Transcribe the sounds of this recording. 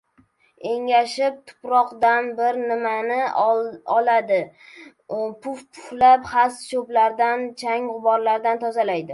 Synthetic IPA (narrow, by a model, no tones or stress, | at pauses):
e̞ŋʲaʃɪp̚t̪ʰʊ̥pɾɒqd̪anbɪɾnɪmanɪ | ɒlad̪ɪ | pʰʊfpʰʊ̥flapχasʃoblaɾd̪ant͡ʃʰaŋʁʊbɒɾlaɾd̪ant̪ʰɒzalajd̪ɪ